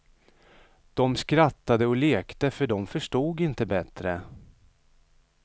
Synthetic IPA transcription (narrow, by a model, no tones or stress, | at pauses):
d̪̥ɔmskɾat̪ːad̪əɔleːkt̪əfœɖɔmfœʂʈuːɡɪnt̪əbɛt̪ɾə